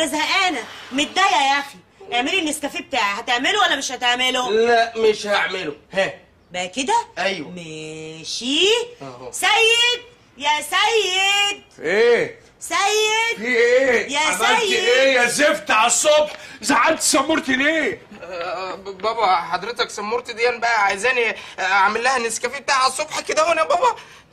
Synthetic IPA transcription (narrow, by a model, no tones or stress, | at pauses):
æzhæʔænæmet̪̚d̪æjæjæʔæxi | ʔeʕmeliʔenːeskæfibet̪aːʕehæt̪eʕmelowælːæmeʃhæt̪eʕmelolæʔmeʃhaʕmelohæ | bæked̪æʔæjwæmeʃiːsæjːed̪̚ | jæsæjːed̪̚ʔeː | sæjːed̪fieːjæsæjeːjæzeft̪aæsˤːobħzæʕant̪sæmːoɾt̪ileː | bɑbæħɑd̪ɾet̪æksæmːoɾt̪id̪iʔænibæʔæʕajzæːniʕamelːæhæneskæfib̚t̪aʕæsˤːobħked̪æwenæbɑbɑ